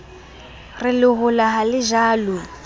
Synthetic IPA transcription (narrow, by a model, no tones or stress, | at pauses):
rɪlɪɦʊlaɦalɪʒaːlʊ